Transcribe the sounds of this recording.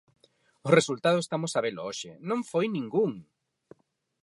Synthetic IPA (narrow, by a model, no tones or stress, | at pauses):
ʊresult̪aðʊest̪amʊsaβelooʃɪnõɱfojnĩŋɡuŋ